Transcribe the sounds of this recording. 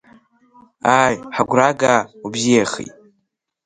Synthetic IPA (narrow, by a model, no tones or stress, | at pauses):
ajħaɡʷɾaɡaubzijaχḭtʼ